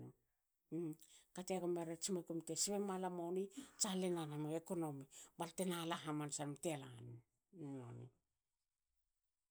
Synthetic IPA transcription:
kateaɡomeɾet͡ʃimekumtesiβemalamonit͡ʃalenanamoekonomibaltenalaɦamansanmtealan | no̰nḭ

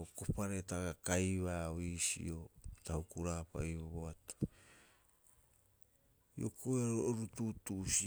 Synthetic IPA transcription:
okopaɾetaɡakajβaisḭotahukuɾaːpa̰iβoβoato̥ | ḭo̰kʰojaɾoɾututusi

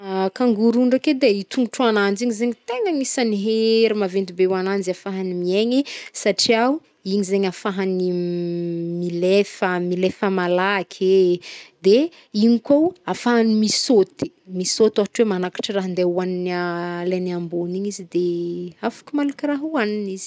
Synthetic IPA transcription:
akaŋɡuɾuɳɖ͡ʐaked̪eit̪ʰuŋʈ͡ʂuanand͡ʒiɲizeɲit̪eŋaɲisaniɦeɾimavend̪ibewanand͡ʒafaɦanimieɲisaʈ͡ʂia | iɲizeɲafaɦani | milefəmilefəmalaakʲʰed̪e | iɲikowafaɦanimisot̪i̥ | misot̪aɦaʈ͡ʂwemanakḁʈ͡ʂiraɦind̪euaninaleniamboniɲizid̪eafḁkʲimalukʲiraɦuwaniniz̥i̥

